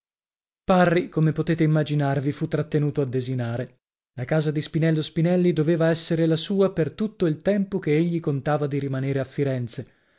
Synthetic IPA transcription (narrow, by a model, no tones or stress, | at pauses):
parːikomepot̪eːt̪eimːad͡ʒinarvifut̪ːɾat̪ːenuːt̪oad̪ːezinaːɾe | lakaːzad̪ispinɛlːospinɛlːid̪oveːvaɛsːeɾelasuːapert̪ut̪ːoilt̪ɛmpok̟eeʎːikont̪aːvad̪iɾimaneːɾeafːiɾɛnt̪se